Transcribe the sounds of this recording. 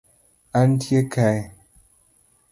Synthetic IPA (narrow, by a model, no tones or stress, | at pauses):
an̩tjekʰaj